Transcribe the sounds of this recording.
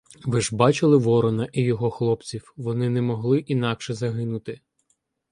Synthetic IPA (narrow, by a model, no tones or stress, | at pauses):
ʋɪʒbɑt͡ʃɪlˠɪʋɔɾɔnɐʔijɔɦɔxlˠɔpt͡sʲiwʋɔnɪnɛmɔɦlˠɪʔinɑkʃɛzɐɦɪnʊt̪ɪ